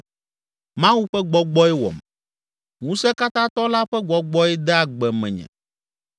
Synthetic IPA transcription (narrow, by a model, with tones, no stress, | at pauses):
mã˦wu˦ɸɛ˦ɡ͡bɔ˦ɡ͡bɔ˦ɛ˦wɔ̰˨m | ŋũ˦sɛ˦ka˦t̪ã˦t̪ɔ˦la˦ɸɛ˦ɡ͡bɔ˨ɡ͡bɔ˦ɛ˦d̪ɛ˦a˨ɡ͡bɛ˨mɛ̰̃˨ɲɛ̰̃˨